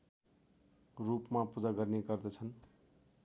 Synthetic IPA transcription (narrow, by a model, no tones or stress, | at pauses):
rupmapud͡zaɡʌrneɡʌrd̪ʌt͡sʰʌn